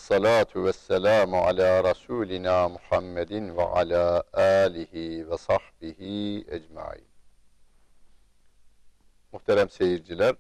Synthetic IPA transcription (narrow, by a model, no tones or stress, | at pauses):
ɑsˤːɑlaːt̪ʰuwæsːælaːmʕa̰laːɾˤɑsuːlɪnaːmʊħamːɛd̪ɪnva̰ʕa̰laːʔaːlɪɦiːvɛsˤɑħbɪhiːæd͡ʒma̰ʕḭːn | muht̪ʰæɾæmsejiɾd͡ʒilʲæɾ